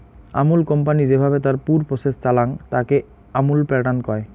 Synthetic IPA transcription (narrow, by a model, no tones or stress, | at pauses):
a̰mulkɔmpanid͡ʑebʱabet̪aɾpuɾpɾosest͡ɕalaŋt̪ake | amulpɾɛʈankɔe